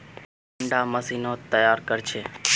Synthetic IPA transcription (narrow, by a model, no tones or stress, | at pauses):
əɳɖaːməsiːnoːt̪ːəjaːɾkəɾt͡ʃʰeː